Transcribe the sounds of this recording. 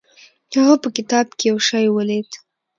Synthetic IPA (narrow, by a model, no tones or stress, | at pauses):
haɣapəkɪt̪ɑb̚kejawʃɑjwəled̪